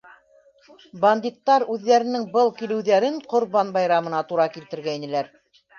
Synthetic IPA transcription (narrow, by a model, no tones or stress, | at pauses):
band̪ʲit̪ːɑɾʉðːæɾɘ̆nɘŋbɤlˠkilɘ̆wðæɾɘɴqŏɾβɑnbɑjɾɑmɤ̆nɑt̪uɾɑkilt̪ɘ̆ɾɡæinɘ̆læɾ